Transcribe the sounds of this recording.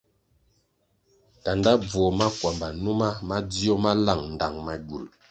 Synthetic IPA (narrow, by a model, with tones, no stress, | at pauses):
ta˨nda˦b͡vɔ˨ma˦kwa˨mba˨nu˦ma˦ma˦d͡zi˦ɔ˦ma˦la˦˨ŋn̩˨da˨ŋma˨ɡu˨l